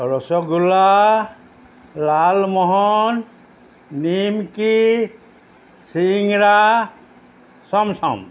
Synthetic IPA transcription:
ɾɔsɔɡula | lalmɔɦɔnː | imki | siŋɾa | sɔmsɔ̰m

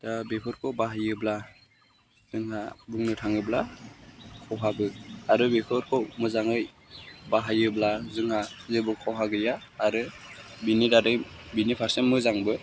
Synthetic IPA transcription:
d̥abepʰɔɾkʰɔwbaɦajɯbla | z̥ɯŋɦabuŋnɯtʰaŋɯbla | kʰɔwɦabɯaɾɯbepʰɯɾkʰɔmɯzaŋɯj | baɦajɯblazɯŋhazɯbukʰɔwɦaɡɯjaː | ɾɯ | binidadɯjbinipʰaɾsemɯzaŋbɯ

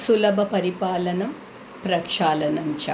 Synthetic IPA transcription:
sulɐbʱɐpɐɾipaːlɐnɐm | pɾɐkʂaːlɐnɐmt͡ʃɐ

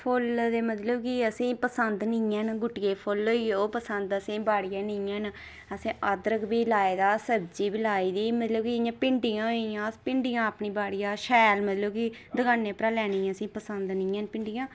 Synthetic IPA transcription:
pʰʊld̪eːmət̪ləbkiəsĩːpəsənd̪nɪãːnɡʊʈɪjeːpʰʊloːioːpəsənd̪əsĩːbaːɽɪjãːnɪjãːn | əsĩːʔəd̪ɾəkbiːlaːeːd̪aːsəbd͡ʒiːbilaːiːd̪iːmət̪ləbkiɪjãːpɪɳɖɪjãːɦoijãːpɪɳɖɪjãːəpɳiːbaːɽɪjaːʃɛːlmət̪ləbkid̪əɡaːnːeːpɾãːlɛːniːãːəsĩːpəsənd̪nɪ̃ãːnpɪɳɖɪjãː

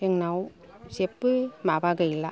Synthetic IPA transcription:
əŋnawsepːɯmabaɡəjla

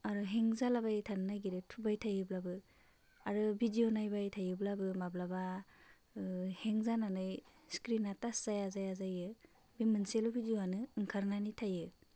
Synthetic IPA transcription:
aɾuɦeŋzalabajtʰannajɡiɾɯtʰubajtʰajɯblabɯ | aɾɯbʱidionajbajtʰajɯblabɯmablaba | heŋzananɯj | skɾinatasz̥ajazajazajɯ | bimɯnselobʱidioanɯːŋkʰaɾnanitʰajɯ

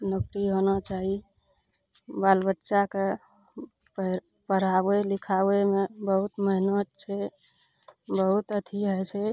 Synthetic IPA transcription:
nokɾiɦonat͡ʃaɦi | balbətːʃake | p | pəɾ̤abelikʰawemebəɦut̪məɦinot̪t͡ʃʰe | bəɦut̪ət̪ʰiɦɛt͡ʃʰe

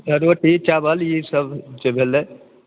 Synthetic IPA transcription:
əɾoʈit͡ʃabʱəlisəbd͡ʒebʱelːe

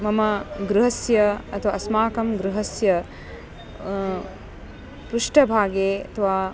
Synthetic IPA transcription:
mɐmɐɡɾuɦɐsjɐɐt̪ʰɐʋaɐsmaːkɐmɡɾuɦɐsjɐ | pɾuʂʈɐbʱaːɡeːɐt̪ʰɐʋaː

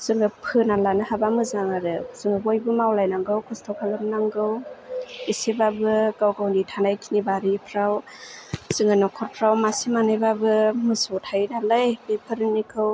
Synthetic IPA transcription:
sɯŋɯpʰɯnalanɯhabamɯzaŋaɾɯsɯŋɯbojbɯmawlajnaŋɡɯwkʰɔstʰɔwkʰalɯmnaŋɡɯw | isebabɯɡawɡawnitʰanajkʰinibaɾipʰɾaw | sɯŋɡɯnɔkʰɔɾpʰɾawmasimanajbabɯmɯsɔtʰajnalajbepʰɯɾnikʰɯw

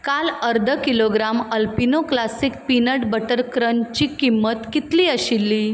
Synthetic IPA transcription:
kaləɾd̪ʱəkiloɡɾaməlpinoklasik̚pinəʈbəʈəɾkɾənt͡ɕiːkimːət̪kit̪liːəɕilːiː

